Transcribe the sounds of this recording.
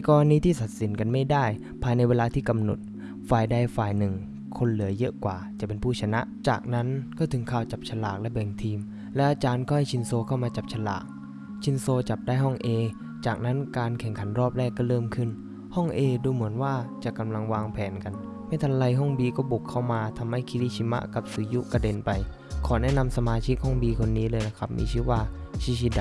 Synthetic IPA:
kɔː˧ɾa˧niː˥t̪ʰiː˥˩sa˨˩t̪̚si˨˩˦nka˧nma˥˩jdaː˥˩j | pʰaː˧jna˧jweː˧laː˧t̪ʰiː˥˩ka˧mno˨˩t̪̚ | faː˨˩jda˧jfaː˨˩jnɯ˨˩ŋ | kʰo˧nlɯ˩˦əjɤ˦˥ʔkwa̰ː˨˩t͡ɕa˨˩ʔpe˧npʰuː˥˩t͡ɕʰa˧na˦˥ʔt͡ɕa̰ː˨˩k̚na˦˥nkɔː˥˩t̪ʰɯ˩˦ŋkʰaː˧˩wt͡ɕa˨˩p̚t͡ɕʰa˧laː˨˩k̚lɛ˦˥bɛ˨˩ŋt̪ʰiː˧m | lɛ˦˥ʔaː˧t͡ɕaː˧nkɔː˥˩ha˥˩jt͡ɕʰi˧nsoː˧kʰa˥˩wmaː˧t͡ɕa˨˩p̚t͡ɕʰa˧la̰ː˨˩k̚ | t͡ɕʰi˧nsoː˧t͡ɕa˨˩p̚daː˥˩jɦɔ˥˩ŋʔeː˧ | t͡ɕaː˨˩k̚na˦˥nkaː˧nkʰɛ˨˩˦ŋkʰa˩˦nɾɔː˥˩p̚lɛː˥˩kːɔː˥˩ɾɤː˥˩mkʰɯ˥˩n | hɔ˥˩ŋʔeː˧duː˧mɯ˩˦ənwaː˥˩t͡ɕa˨˩ʔka˧mla˧ŋwaː˧ŋpʰɛː˩˦nka˧n | ma˥˩jt̪ʰa˧mla˧jɦɔ˥˩ŋbiː˧kɔː˥˩bu˨˩kʰːa˥˩wmaː˧t̪ʰa˧mha˥˩jkʰi˧liː˧˥˩t͡ɕʰi˧ma̰˦˥ʔka˨˩p̚sɯː˩˦ju˦˥ʔka˧de˧npa˧j | kʰɔː˩˦nɛ˦˥˨na˧msa˧maː˧t͡ɕʰi˦˥k̚hɔ˥˩ŋbiː˧kʰo˧nːiː˦˥lɤː˧jna˦˥kʰa˦˥p̚mḭː˧t͡ɕʰiː˦˥˩waː˧˩t͡ɕʰi˧˥˩t͡ɕʰi˦˥da˨˩

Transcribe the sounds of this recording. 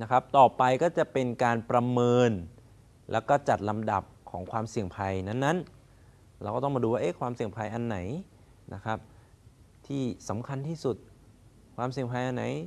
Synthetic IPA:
na˦˥kʰa˦˥p̚t̪ɔː˨˩pa˧jkɔː˥˩t͡ɕa˨˩ʔpe˧nkaː˧npɾa˧mɤː˧n | lʔɛ̰ː˦˥wkɔː˥˩t͡ɕa˨˩t̪̚la˧mda̰˨˩p̚kʰːɔː˩˦ŋkʰwaː˧msi˨˩əŋpʰa˧jna˦˥nːa˦˥n | ɾɛː˧wkɔː˥˩t̪ɔ˥˩maː˧duː˧waː˥˩ʔe˦˥˩kʰwaː˧msi˨˩əŋpʰa˧jʔa˧nːa˩˦j | na̰˦˥kʰa˦˥p̚ | t̪ʰiː˥˩sa˩˦mkʰa˧nt̪ʰiː˥˩su˨˩t̪̚ | kʰwaː˧ms̬i˨˩əŋpʰa˧jʔa˧nːa˩˦j

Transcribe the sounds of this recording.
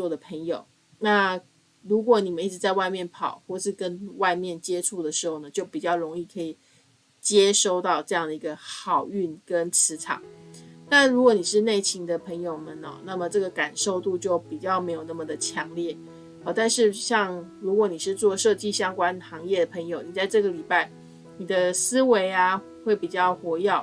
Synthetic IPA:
t͡swɔ˥˩d̪ə˩pʰə˧˥ŋjo˨˩ʊ | na˥˧ | ɻu˧˥k̬wɔ˧˥˦ni˨˩mə˦i˥˩ʈ͡ʂɻ̩˧˦t͡sa˥˧ɪwa˥˧ɪmjɛ˥˩npʰɑ˨˩ʊxwɔ˥˧ʂɻ̩˥˩kə˦nwa˥˧ɪmjɛ˥˩nt͡ɕjɛ˥ʈ͡ʂʰu˥˩d̪ə˩ʂɻ̩˧˥xo˥˩ʊnə˨˩t͡ɕjo˥˩ʊpi˨˩t͡ɕjɑ˥˩ʊɻo˧˥ŋi˥˩kʰɤ˧˥i˨˩ | t͡ɕjɛ˥ʂo˥˧ʊt̪ɑ˥˧ʊʈ͡ʂɤ˥˧jɑ˥˩ŋd̪ə˩i˧˥ɡə˧xɑ˨˩ʊy˥˩nkə˦nt͡sʰɻ̩˧˥ʈ͡ʂʰɑ̰˨˩˦ŋt̪a˥˩nɻu˧˥kwɔ˧˩˦ni˨˩ʂɻ̩˥˧ne˥˩ɪt͡ɕʰi˧˥ŋd̪ə˨pʰə˧˥ŋjo˨ʊmə˨˩nə̰˩na˥˩mə˩ʈ͡ʂɤ˥˩ɡə˩ka˨˩nʂo˥˧ʊt̪u˥˧t͡ɕjo˥˩ʊpi˨˩t͡ɕjɑ˥˩ʊme˧˥ɪjo˨˩ʊna˥˩mə˨˩d̪ə˩t͡ɕʰjɑ˧˥ŋljɛ˥˩˨ | t̪a˥˧nʂɻ̩˥˧ɕjɑ˥˧ŋɻu˧˥kwɔ˧˥˦ni˨˩ʂɻ̩˥˧t͡swɔ˥˧ʂɤ˥˧t͡ɕi˥˩ɕjɑ˥ŋkwa˥nxɑ˧˥ŋjɛ˥˩d̪ə˩pʰə˧˥ŋjo˨˩ʊni˨˩t͡sa˥˧ɪʈ͡ʂɤ˥˩ɡə˩li˨˩pa˥˩ɪ | ni˨˩d̪ə˦sɹ̩˥we˧˥ɪa˧ | xwe˥˩ɪpi˨˩t͡ɕjɑ˥˩ʊxwɔ˧˥jɑ˥˩ʊ

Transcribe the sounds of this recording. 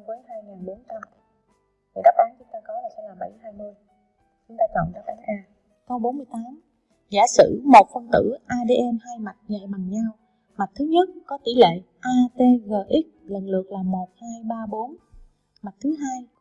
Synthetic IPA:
vəː˨˦jɦaː˧jŋaː˨˩nɓo˨˦nt͡ɕa˧m | t̪i˨˩ɗɔ˦˥p̚ʔaː˨˦nt͡ɕʊ˨˦ŋ͡mt̪aː˧kɔ˨˦laː˨˩sɛ̰˧˥laː˨˩ɓə˧˩jhaː˧jmɨ˧əj | t͡ɕʊ˨˦ŋ͡mt̪aː˧t͡ɕɔ̰˧˨ŋ͡mɗa˦˥p̚ʔaː˨˦nʔaː˧ | kɔ˨˦ɓo˨˦nmɨ˧əjt̪aː˨˦m | zaː˧˩sɨ̰˧˩˨mo˨˩t̚fə˧ŋt̪ɨ̰˧˩ʔaː˧ɗe˧ʔɛ˧mhaː˧jma˨˩t̚ɲɛ̰˧˨ma˨˩ŋɲaː˧w | ma˨˩t̚t̪ʰɨ˨˦ɲə˦˥t̚kɔ˨˦t̪ḭ˧˩lḛ˧˨ | ʔaː˧t̪e˧ɣəː˨˩ʔi˦˥k̚lə˨˩nlɨ˨˩ək̚laː˨˩mo˨˩t̚haː˧jɓaː˧ɓo˨˦n | ma˨˩t̚t̪ʰɨ˨˦ɦaː˧j

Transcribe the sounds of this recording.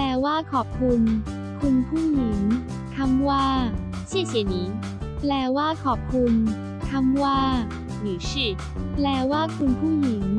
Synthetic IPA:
plɛː˧˩waː˥˩kʰɔː˨˩p̚kʰu˧n | kʰu˧npʰuː˥˩ji˩˦ŋ | t̪ʰa˧˥mwaː˥˩ | t͡ɕʰi˥˩əsʰi˨˩˦niː˨˦˥ | plɛː˨˧˩waː˥˩kʰɔː˨˩p̚kʰu˧n | t̪ʰa˧˥mwaː˥˩ | niː˨˦t͡ɕʰiː˥˩ | plɛː˨˧˩waː˥˩kʰu˧npʰuː˥˩ji˨˩˦ŋ

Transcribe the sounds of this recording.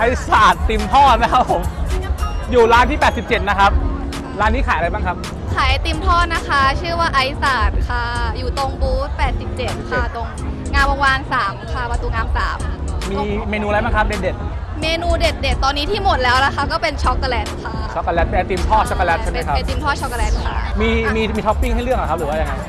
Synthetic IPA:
ʔa˧jsaː˨˩t̪ːi˧mt̪ʰɔː˥˩t̪̚ma˦˥kʰa˦˥pʰo˩˦m | juː˨˩laː˦˥nt̪ʰiː˥˩pɛː˨˩t̪̚si˨˩p̚t͡ɕe˨˩t̪̚na˦˥kʰa˦˥p̚ | laː˦˥nːiː˦˥kʰaː˩˦jʔa˧baː˥˩ŋkʰa˦˥p̚ | kʰaː˩˦jjt̪i˧mt̪ʰɔː˥˩na˦˥kʰa˦˥t͡ɕʰɯː˥˩waː˥˩ʔa˦˥jsaː˨˩t̪̚kʰa˧˩juː˨˩t̪o˧ŋbuː˦˥t̪̚pɛː˨˩t̪̚si˨˩p̚t͡ɕe˨˩t̪̚kʰt̪o˧ŋŋaː˧mbɔː˧waː˧nsaː˩˦mkʰa˧˩pa˧t̪uː˧ŋaː˧msaː˩˦mːiː˧meː˧nuː˧la˧˦˥jbaː˥˩ŋkʰa˦˥p̚de˨˩t̪̚de˨˩t̪̚meː˧nuː˧de˨˩t̪̚de˨˩t̪ːɔː˧nːiː˦˥t̪ʰiː˥˩mo˨˩t̪̚lɛː˦˥wla˦kʰa˦˥kɔː˥˩pe˧nt͡ɕʰɔ˦˥kːa˧lɛː˦˥nkʰa˧˩t͡ɕʰɔ˦˥kːa˧lɛː˦˥npɛː˧t̪iː˧mt̪ʰɔː˥˩t͡ɕʰɔ˦˥ka˧lɛː˦˥n̚ʰ˥˩na˦˨˥kʰa˦˧t̪i˧mt̪ʰɔː˥˩t͡ɕʰɔ˦˥kːlɛː˨˧˥nkʰa˧˩miː˧miː˧miː˧t̪ʰpːi˥˩ŋɦa˥˩jlɯ˥˩əŋa˨˩kʰa˦˥pɾɯː˩˦aː˥˩ja˧ŋɦa˦˧˩j

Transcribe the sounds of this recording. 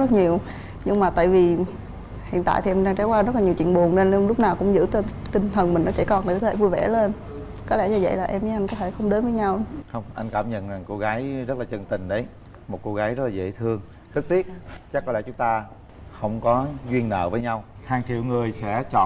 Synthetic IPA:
ə˦˥t̚ɲi˨˩əw | ɲɨ˧ŋmaː˨˩t̪a̰ː˧˨jvi˨˩ | hḭ˧˨nt̪a̰ː˧˨t̪ʰi˨ɛ˧mɗaː˧ŋt͡ɕa˨˦wkwaː˧zə˦˥laː˨˩ɲi˨˩wt͡ɕwḭ˧˨ənɓu˨˩ənle˧nː˧ŋ͡mlʊ˦˥k͡p̚naː˨˩wkʊ̰˧˥ŋ͡mzɨ̰˧˥t̪t̪ï˨˩ŋ̟t̪ʰə˨˩nmï˨˩ŋnɔ˨˦t͡ɕɛ˧˩kɔ˨˩nt̪ʰi˨˩kɔ˨˦t̪ʰe˧˩vu˧jvɛ̰˧˩le˧n | kɔ˨˦lɛ˧˥zaː˧˩zə̰˧˨jlaː˨˩ʔɛ˧mi˨˦ʔa˧ŋkɔ˨˦t̪ʰe˧˩xə˧wŋ͡mɗe˨˦nvəː˨˦jɲa˧wxə˧wŋ͡mʔa˧jŋ̟kaː˧˩mɲə̰˧˨na˨˩ŋko˧ɣaː˨˦jzə˦˥t̚laː˨t͡ɕə˧˩ŋt̪ï˨˩ŋ̟ɗə˨˦j | mo˨˩t̚ko˧ɣaː˨˦jzə˦˥t̚laː˨zḛ˧˩˨t̪ʰɨ˧əŋ | t̪ɨ˦˥k̚t̪i˦˥ət̚t͡ɕa˦˥k̚kɔ˨˦lɛ̰˧˥˩t͡ɕʊ˨˦ŋ͡mt̪aː˧ | xə˧wŋ͡mkɔ˨˦zwi˧ənːə̰ː˧˨vəː˨˦jɲa˧w | haː˧˩ŋt̪ʰḭ˧˩wŋɨ˨˩əjsɛ̰˧˥t͡ɕɔ̰˧˨

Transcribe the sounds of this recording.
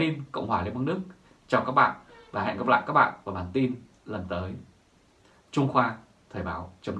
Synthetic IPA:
i˧nkə̰˧˨wŋ͡mhwaː˧˩li˧ma˧nɨ˦˥ək̚ | t͡ɕa˧wkaː˦˥k̚ɓa̰ː˧˨nvaː˨˩a̰˧˨ŋɡə˦˥p̚la̰ː˧˨jkaː˦˥k̚ɓa̰ː˧˨nvaː˨˩ɓaː˨˩nt̪i˧n | lə˨˩nt̪əː˨˦j | t͡ɕʊ˧ŋ͡mxwaː˧ | t̪ʰəː˨˩jɓaː˨˦wt͡ɕə˨˦wn

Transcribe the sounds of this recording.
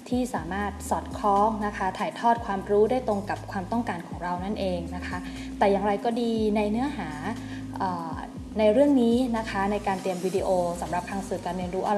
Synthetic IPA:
t̪ʰiː˥˩saː˩˦maː˥˩t̪̚sɔː˨˩t̪̚kʰɔː˦˥ŋna˦˥kʰa˦˥t̪ʰaː˨˩jt̪ʰɔː˥˩t̪̚kʰwaː˧mɾuː˦˥da˥˩jt̪ɾo˧ŋka˨˩p̚kʰwaː˧mt̪ɔ˥˩ŋkaː˧nkʰɔː˩˦ŋɾa˧wna˥˩nʔeː˧ŋna˦˥kʰa˦˥ | t̪ɛː˨˩jaː˨˩ŋɾa˧jkɔː˥˩diː˧na˧jnɯ˦˥ɐɦaː˩˦ | ʔɤː˨˩ | na˧jɾɯ˥˩əŋniː˦˥na˦˥kʰa˦˥na˧jkaː˧nt̪i˧əmwiː˧diː˧ʔoː˧sa˩˦mɾa˨˩p̚ʰa˧ŋsɯː˨˩kaː˧nɾi˧ənɾuː˦˥ʔa˧

